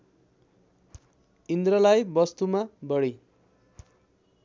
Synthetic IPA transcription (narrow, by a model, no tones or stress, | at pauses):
ind̪rʌlajbʌst̪umabʌɽi